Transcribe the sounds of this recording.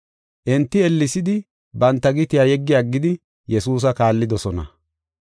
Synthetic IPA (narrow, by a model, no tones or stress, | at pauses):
ʔɪnt̪ːɪɛlːɪsɪd̪ɪ | bɐnt̪ːɐɡɪt̪ɪjajɛɡːɪjaɡːɪd̪ɪ | jɛsuːs̬ɐkaːlːɪd̪ɔsɔnɐ̰